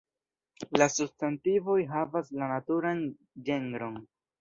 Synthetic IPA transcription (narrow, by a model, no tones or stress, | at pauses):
lasubstantivo̞jɦavaslanatuɾan | d͡ʒe̞ŋɡɾo̞n